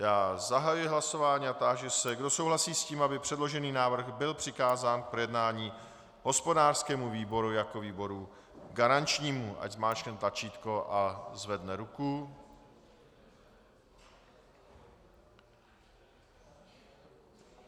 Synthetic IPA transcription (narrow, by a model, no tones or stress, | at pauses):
jaːzaɦajujɪɦlaso̞vaːɲiːat̪aʒɛsɛɡdo̞sowɦlasiːsciːmabɪpr̝̥ɛdlo̞ʒɛniːnaːvr̩ɣbɪlpr̝̥ɪkaːzaːnk̚pɾojɛdnaːɲiː | ɦo̞spo̞daːr̥skɛːmuviːbo̞ɾujako̞viːbo̞ɾu | ɡaɾant͡ʃɲiːmuʔa̰ɟzmaːt͡ʃɲɛnt̪lat͡ʃiːt̪ko̞ʔazvɛdnɛɾuku